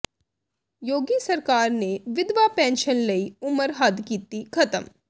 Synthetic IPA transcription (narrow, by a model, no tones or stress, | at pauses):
joːɡisɐɾkaːɾneʋɪd̪ʋapɛ̃ːnʃənlɐiʊməɾɦad̪ʱkiːt̪ikʰɐt̪əm